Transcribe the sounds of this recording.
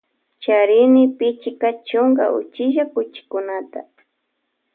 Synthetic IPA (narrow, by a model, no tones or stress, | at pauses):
t͡ʃaɾɪnɪpɪt͡ʃɪkat͡ʃʊŋɡa̰ʔʊ̰t͡ʃɪʒakʊt͡ʃɪ̥kʊnat̪a̰